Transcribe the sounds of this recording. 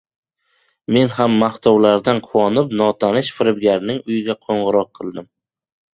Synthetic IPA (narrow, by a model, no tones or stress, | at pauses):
me̞nhamːaht̪ʰɒwlaɾd̪anqʰʊwɒnɪpnɒt̪ʰanɪʃfɪɾɪbɡʲaɾnɪŋʊjɪɡʲaqʰoɴʁɨɾɒq̚ʰːɨlˠd̪ɪm